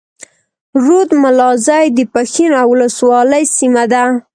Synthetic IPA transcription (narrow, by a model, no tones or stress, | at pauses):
ɾud̪malɑzɑjd̪əpaxinawʊləswɑləjsimad̪a